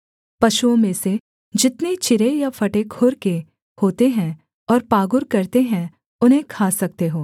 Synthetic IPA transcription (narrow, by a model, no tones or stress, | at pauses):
pɐʃuõmẽse | d͡ʒɪt̪net͡ʃɪɾejafɐʈekʰʊɾke | hoːt̪eɦɛ̃ | ɔːɾpaːɡʊɾkɐɾt̪eɦɛ̃ | ʊnɦẽkʰaːsɐk̚t̪eɦoː